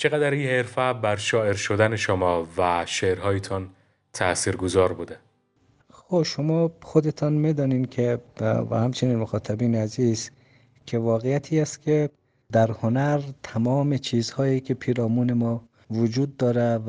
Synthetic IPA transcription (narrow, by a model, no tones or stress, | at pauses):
t͡ʃʰeɣæd̪æɾinheɾfæbæɾʃɒːeɾʃod̪æneʃomɒːvæʃeɾɦɒːjet̪ʰɒn | t̪ʰæ̰siːɾɡozɒːɾbud̪e | xobʃomɒːxod̪et̪ʰɒnmid̪ɒːniːnkʰevæ̰hæmt͡ʃʰeniːnmoxɒːt̪ʰæbiːneæziːz | kʰevɒːɣejæt̪ʰiːæst̪kʲʰe | d̪æɾhonæɾt̪ʰæmɒːmet͡ʃʰiːzhɒːjiːkʰepʰiːɾɒːmuːnemɒː | vod͡ʒuːd̪ːɒːɾe